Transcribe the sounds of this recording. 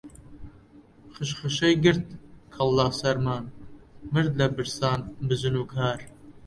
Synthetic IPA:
χɨʃχɨʃɛjɡɨɾt̪̚kʰɐlːɑːsɐɾmɑːnmɨɾd̪lɐbɨɾsɑːnbɨzɨnuːkʰɑːɾ

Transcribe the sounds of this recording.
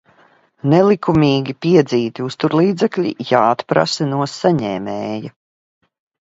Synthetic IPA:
nɛlˠikʰumʲiːɡʲipiɛd̪ziːt̪iust̪uɾlˠiːd̪zɛkʎʲḭjaːat̪pɾa̰sɐnuɔsaɲɛːmɛːja

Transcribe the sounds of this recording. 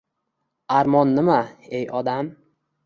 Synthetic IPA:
aɾmɒnːɪmaejɒd̪am

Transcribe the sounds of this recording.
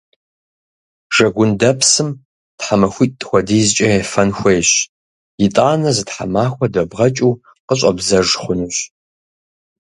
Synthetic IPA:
ʒ̥ɐɡʷʊndɐpʰsɨm | tħamɐxʷitʼtʼxʷɔdiːzt͡ʃʼɐɛfɐnxʷejɕ | jɪtʼaːnɐzɨtħa̰maːxʷɔdɐbʁɐt͡ʃʼuː | qəɕʼɐbzɐʐχʷʊnuːɕ

